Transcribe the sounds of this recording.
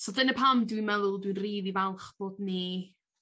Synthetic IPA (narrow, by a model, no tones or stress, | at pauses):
sɔdənəpʰamdwinmɛðʊlˠdwinriːðivɛlˠχb̥oːdni